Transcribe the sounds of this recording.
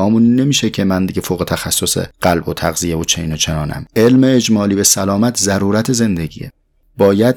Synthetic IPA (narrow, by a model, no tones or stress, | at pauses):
ɒːmunnːe̞miːʃecʰe̞mænd̪iɟefoːɣe̞t̪ʰæxæsːosḛɢ̥ælbot̪ʰæɣzijevot͡ʃʰeiːnot͡ʃʰe̞nɒːnæ̰me̞lmeːd͡ʒmɒːliːbe̞sælɒːmæt̪ʰzæɾuːɾæt̪ʰe̞ze̞nd̪e̞ɟḭːḛ | bɒːjæd̪̚